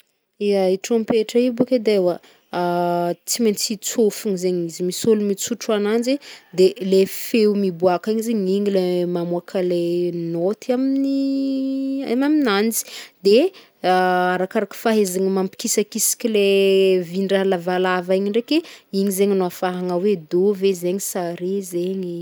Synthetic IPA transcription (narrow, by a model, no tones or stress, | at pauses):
iaiʈ͡ʂompeʈ͡ʂaibuked̪ewa | t͡siment͡sit͡sofuɲizeɲizimisolumit͡suʈ͡ʂuanand͡ʒid̪elefeumibuakiɲizeɲiŋilemamuakʰalenot̪iaminni | a̰maminand͡zi̥d̪e | aɾakaɾakə̥faɦezaŋimampi̥kisakisi̥kʲilevinɖ͡ʐalavalavaiɲiɳɖ͡ʐekeiɲizeɲanoafaɦaŋawed̪ovezeɲisaɾezeɲi